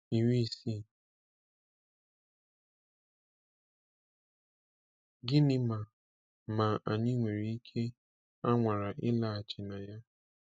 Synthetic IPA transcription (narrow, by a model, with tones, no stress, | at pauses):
i˨ŋʷi˦˨si˦˨ | ɡɪ˦nɪ˦ma˨ | ma˨a˨ɲɪ˦ŋʷe˨ɾi˦i˦kʰe˦ | a˦ŋʷa˨ɾa˨ʔɪ˦la˦a˨t͡ʃɪ˨na˨ja˦